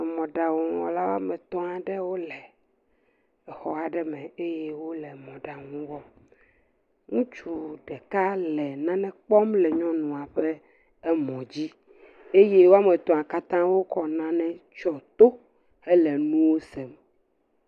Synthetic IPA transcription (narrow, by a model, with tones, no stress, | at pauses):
mɔ̃˨ɖa˨wo˨˦wɔ̰̃˦la˦wo˦a̰˦mɛ̃˨t̪ɔ̃˦a˨ɖɛ˦wo˦lɛ˨ | ɛ˨xɔ˦a˨ɖɛ˦mɛ̃˨e˦jɛ˦wo˦lɛ˨mɔ̃˨ɖa˨ŋũ˦wɔ˦ | ŋũ˦t͡ʃu˨ɖɛ˨ka˦lɛ˨nã˦nɛ̃˦k͡pɔ˦mlɛ˨ɲɔ̃˦nũ˨a˨ɸɛ˦ | ɛ˦mɔ̃˨d͡ʑi˦ | e˦je˦wo˦a˦mɛ̃˨t̪ɔ̃˨a˨ka˦t̪ã˦wo˦kɔ˨nã˦nɛ̃˦t͡ʃɔ˨t̪o˦ | ɛ˦lɛ˨nũ˦wo˦sɛ˨m